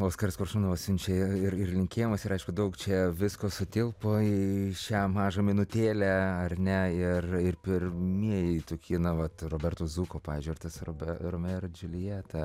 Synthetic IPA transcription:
oːskɐɾʲɪskoːɾʃumːnɐʋɐsʲʊnʲt͡ʃʲɛɪɪrɪrlʲɪŋʲkʲeːjɪmɐsɪɾɐɪʃkʊd̪ɐʊkt͡ʃʲɛʋʲɪskoːsʊt̪ʲɪlˠpoːiʃʲæːmɑːʒɐmʲɪnʊt̪ʲeːlʲæɐrʲnʲɛɪrɪrpʲɪɾʲmʲiɛjɛt̪oːkʲʰiːnɐʋɐt̪roːbʲɛrt̪uːzuːkoːpɑːʋʲiːzʲd͡ʒʲʊɪrt̪ɐsrobʲɛɾomʲɛrd͡ʒʲʊlʲɪjɛt̪ɐ

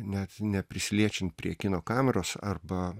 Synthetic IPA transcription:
nʲɛt̪nʲɛpʲɾʲɪsʲɪlʲiɛt͡ʃʲɪnt̪̚pʲɾʲiɛkʲɪnoːkɑːmʲɛɾoːsɐrbɐ

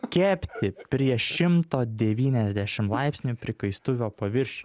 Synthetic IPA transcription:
kʲæːpʲt̪ʲɪpʲɾʲiɛʃʲɪmt̪oːd̪ʲɛʋʲiːnʲɛzʲd̪ʲæʃʲɪmlˠɑɪpʲsʲnʲupʲɾʲɪkɐɪst̪ʊʋʲoːpɐʋʲɪɾʲʃʲ

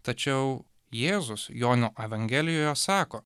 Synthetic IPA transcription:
t̪ɐt͡ʃʲɛʊ | jeːzʊsjoːnʲoːʔɛʋɐŋʲɡʲɛlʲɪjoːjoːsɑːkoː

